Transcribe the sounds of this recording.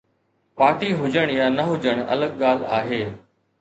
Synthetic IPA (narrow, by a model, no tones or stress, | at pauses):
paːʈiɦʊd͡ʑəɽ̃jaːnɐɦʊd͡ʑəɽ̃ɐ̰ləɠɠaːla̰ːɦeː